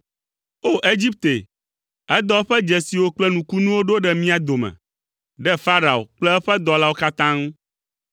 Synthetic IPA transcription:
o˦ʔe˦d͡ʑi˦p̚t̪e˨ | ɛ˦d̪ɔ˦ɸɛ˦d͡ʒɛ˨si˨wo˦k͡plɛ˦nũ˨ku˦nũ˦wo˦ɖo˦ɖɛ˦mĩ˦a˨d̪o˨mɛ̰̃˨ | ɖɛ˦fa˦ɾa˨o̰˨k͡plɛ˦ɛ˦ɸɛ˦d̪ɔ˨la˦wo˦ka˦t̪ã˦ŋ˦

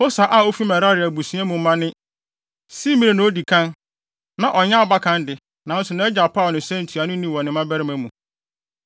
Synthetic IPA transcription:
ho˦sa˨ʔa˨o˦fi˦mɛ̃˨ɾa˦ɾɪ˨æ˨bu˨sɥɛ̃˦mũ˨˦mã˦nɪ̃˦ | si˦mĩ˦e˨nʊ̃˨˦o˦di˨kʰã˦n | nã˨ʔɔ˨ɲã˦˨ba˦kʰã˦ndɪ˨ | nã˨n̩˦sʊ˨nã˦ɛ˦d͡ʑa˨pʰa˦˨nɪ̃˨sɛ̃˦n̩˨tʰu˨a˨nʊ̃˦nĩ˦wɔ̃˨nɪ̃˨˦mã˦bæ˦ɾɪ˦mæ̃˨˦mũ˨

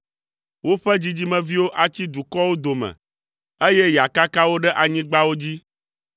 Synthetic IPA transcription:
wo˦ɸɛ˦d͡ʑi˦d͡ʑi˦mɛ̃˨vi˦wo˦ʔa˨t͡ɕi˦d̪u˨kɔ˦wo˦d̪o˨mɛ̰̃˨ | e˦jɛ˦ja˨ka˦ka˦wo˦ɖɛ˦ʔa˨ɲĩ˦ɡ͡ba˦wo˦d͡ʑi˦

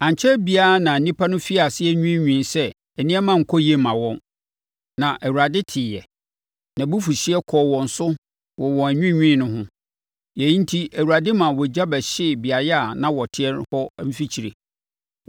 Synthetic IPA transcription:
ã˨ɲ˨t͡ɕʰɛ˦bi˦a˦˨nã˨˦nĩ˦pʰa˦nʊ̃˦fi˦a˨sɪ˦ɛ˦ɲᶣũ˦˨ɲᶣĩ˦˨nsɛ˦ | ɛ˨nɪ̃˦ɛ˦mã˦˨ŋ̩˨kʰɔ˦je˦mã˨wɔ̃˦n | nã˨ʔæ˨wu˨ɾa˨dɪ˦tʰɪː˨jɛ˨ | nã˨bu˦fu˨ɕi˦ɛ˦kʰɔ˨wɔ̃˨n̩˨sʊ˦ | wɔ˨wɔ̃˨æ˨ɲᶣĩ˦ɲᶣĩ˦nʊ̃˦ɦʊ̃˦ | jɛ˨i˦n˦tʰi˦æ˨wu˨ɾa˨dɪ˦mã˨wɔ˨d͡ʑa˦bɛ˨ɕɪ˦˨bi˨a˨jɛ˦a˨nã˦wɔ˨tʰɪ˦ɛ˦nhɔ˦m̩˦fi˦t͡ɕʰi˨ɾḛ˨

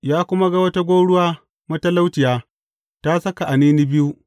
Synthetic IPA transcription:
jaː˦kʷʊ˦ma˦ɡa˦wɐ˦ta˦ɡʷoː˦ɽʊ˦waː˦ | mɐ˦tɐ˦la˦wtɪ˨jaː˦ | ta˦sɐ˦ka˨ʔa˨niː˦ni˦bɪ˦ju˦ʔ

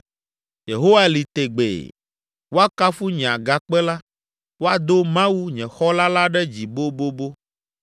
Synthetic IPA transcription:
je˨ɦo˦wa˦li˨t̪e˨ɡ͡bḛ˨ | wo˦a˦ka˦fu˦ɲɛ̃˨a˨ɡa˨k͡pɛ˦la˦ | wo˦a˨d̪o˦mã˦wu˦ɲɛ̃˨xɔ˦la˦la˦ɖɛ˦d͡ʑi˨bo˦bo˦bo˦

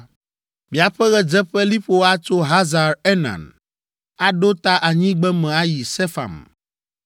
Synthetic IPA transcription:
mi˨a˨ɸɛ˦ɣɛ˦d͡ʒɛ˦ɸɛ˦li˦ɸo˦a˦t͡ʃo˦ɦa˦za˨ɾe˦nã̰˨n | a˦ɖo˦t̪a˦ʔa˨ɲĩ˦ɡ͡bɛ˦mɛ̃˨a˦ji˨sɛ˦fa̰˨m

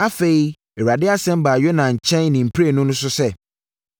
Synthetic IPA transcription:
a˦fe˨i˦ | e˨a˨dɪ˦a˦sɛ̃˦m̩˦baː˨jɥɛ˦nã˨ɲ̩˨t͡ɕʰɛ̃˦nnːĩ˨m̩˨pʰɾe˦˨nʊ̃˦nʊ̃˦s̬ʊ˦sɛ˦

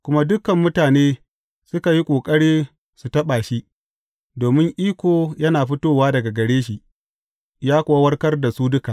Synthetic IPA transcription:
kʷʊ˦ma˦dʊ˦kɐ˨mːʊ˦taː˨neː˦ | sʊ˦ka˨ji˦kʷʼoː˨kʼɐ˦ɽiː˦ | su˨tɐ˦ɓaː˨ʃi˦ | doː˨mɪ˦ŋʔiː˦kʷoː˨jɐ˦naː˨ɸɪ˦toː˦waː˦dɐ˨ɡa˨ɡɐ˨ɽeː˦ʃi˨ʔ | jaː˦kʷʊ˨wa˦wɐ˦rkɐ˦rda˨suː˦dʊ˦kaː˨ʔ

